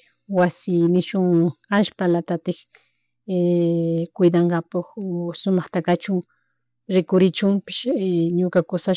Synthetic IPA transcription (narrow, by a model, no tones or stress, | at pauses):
wasɪnɪʃʊŋaʃpalat̪at̪ɪkː | kʊjd̪ɑɴɢɑpʊχsʊmɑχt̪akat͡ʃʊŋ | ɾɪkʊɾɪt͡ʃʊmpɪ̥ʃɲʊkakʊsa